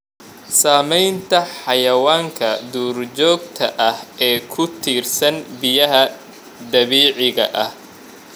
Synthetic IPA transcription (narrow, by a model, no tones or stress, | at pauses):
saːmɛjnt̪ʰɐħɑjɐwaːŋkʰɐd̪uːrt͡ʃɔːɡ̚t̪ʰɐʔɐhɛːkʰʊt̪ʰiːrsɐnbɪjɐɦɐ | d̪ɐβiːʕɪɣɐʔɐh